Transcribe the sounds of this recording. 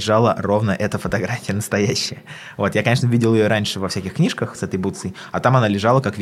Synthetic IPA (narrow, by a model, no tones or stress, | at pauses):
ɪʐalˠəro̞vnəʔɛt̪əfət̪ɐɡɾafʲɪjənəst̪ɐjæɕːɪjə | vo̞t̪jakɐnʲeʂnəvʲidʲɪlˠjɪjoɾanʲʂɨvɐfsʲækʲɪxknʲiʂkəxsɛt̪əjbut̪sɨj | ɐt̪amɐnalʲɪʐalˠəkakvʲ